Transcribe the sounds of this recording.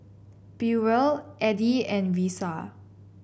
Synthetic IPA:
piɹəlʔɛdiɛ̃nvisa

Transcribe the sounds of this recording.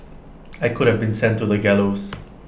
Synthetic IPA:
ajkʊɾ̚hɛvbĩnsɛ̃ntuðəɡɛlos

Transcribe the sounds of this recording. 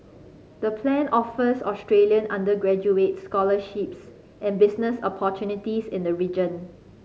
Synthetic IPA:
dəpʰlɛ̃nɔfəsɔstɹeliə̃nʔãndəɡɹɛd͡ʒuetskɔləʃips | ʔɛ̃nbɪsnəsɔpʰɔtʰjunitisɪ̃ndəɹid͡ʒə̃n

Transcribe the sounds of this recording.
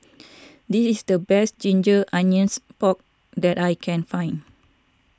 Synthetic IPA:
disisdəbɛstd͡ʒĩnd͡ʒəʔãnə̃nspɔk̚ | dɛtajkʰɛ̃nfãj̃n

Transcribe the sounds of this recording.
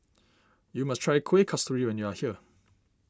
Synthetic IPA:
juməstʰɹ̥aɪkʰw̥ikʰʌstəjuə̃njuəhiə

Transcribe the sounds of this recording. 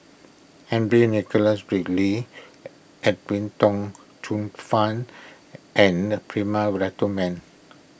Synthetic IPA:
hɛ̃ndɹenikɔlasbɹikli | ɛt̚wĩntɔ̃ŋ | tʰũnfãn | ʔɛ̃npɹimawɹatomɛ̃n

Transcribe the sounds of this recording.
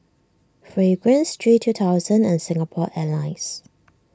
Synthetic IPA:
fɹeɡɹə̃nstʰɹitʰːutʰaʊzə̃nɛ̃nsɪ̃ŋəpʰɔʔɛlaɪs

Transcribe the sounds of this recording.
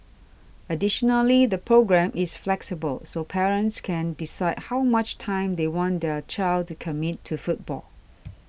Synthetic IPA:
ədɪʃɔnəlidəpʰɹoɡɹɛ̃mʔɪsflɛksibə̰lsopʰɛɹə̃ntskʰɛ̃ndisaɪd̚haʊmat͡ʃtʰãɪ̃md̪ewɔ̃nd̪ət͡ʃaɪld̚tukʰəmitʰːufut̚b̥ɔ̰l

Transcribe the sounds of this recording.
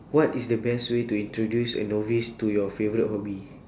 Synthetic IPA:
wɔtisdəbɛstwetuĩntɹodjusə̰novistujɔfevɔɹit̚hɔbi

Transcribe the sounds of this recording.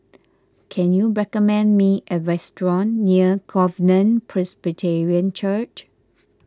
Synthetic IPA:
kʰɛ̃njuɹɛkɔmɛ̃ndmiʔəɹɛstɹɔ̃nːiəɡɔvənə̃npʰɹɛsbitʰɛɹiə̃nt͡ʃət͡ʃ

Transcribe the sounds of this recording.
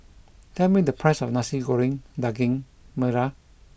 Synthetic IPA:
tʰɛmid̪əpʰajsɔfnasiɡoɾiŋdaɡiŋ | məɾa

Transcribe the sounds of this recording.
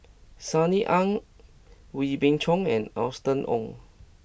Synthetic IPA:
saniʔãŋ | wibĩŋt͡ʃʰɔ̃ŋɛ̰̃na̰stə̃nʔɔ̰̃ŋ

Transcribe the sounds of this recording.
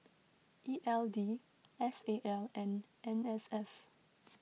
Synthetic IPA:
ʔiʔɛldi | ɛseʔɛlɛ̃nʔɛ̃nɛsɛf

